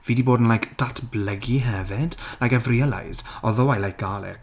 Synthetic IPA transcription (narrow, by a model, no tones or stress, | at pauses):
v̥iːdiboːdn̩lˠajkd̥atʰbləɡiɦɛvɪd̥lajkɛvriəlˠa̰jz̥ɔðɔwajlajk̚ɡ̥alˠɛ̰k